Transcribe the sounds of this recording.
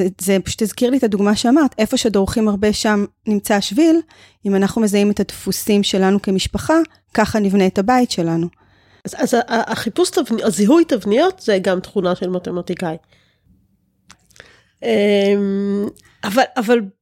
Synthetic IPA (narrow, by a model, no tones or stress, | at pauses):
zepḁʃu̥t̪hezkiʁlit̪aduɡmaʃeamaʁt̪e̞fo̞ʃeadoʁuχimaʁbe̞ʃam | nimt͡saʃvil | imanaχnume̞zaime̞t̪at̪fusimʃe̞lanuke̞miʃpaχa | kaχanivne̞ːtabaitʃe̞lanu | azaʔaʔχipustavniaziɦujtavnijo̞tzeɡamt̪χunaʃelmat̪e̞matikaj | em | avalaval